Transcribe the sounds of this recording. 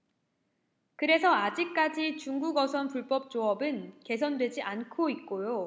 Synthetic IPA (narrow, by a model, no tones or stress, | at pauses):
kɯɾe̞sʰʌad͡ʑik̚k͈ad͡ʑit͡ɕuŋɡuɡʌsʰʌnpuɭp͈ʌp̚t͡ɕ͈oʌbɯnke̞sʰʌndwe̞d͡ʑiʔankʰoik͈ojo